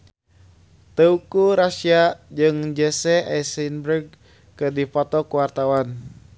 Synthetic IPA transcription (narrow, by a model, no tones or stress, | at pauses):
t̪əukuɾasiad͡ʒɨŋd͡ʒɛsɛʔɛsinbɾəɡ̚ | kədipɔt̪ɔkuwart̪awan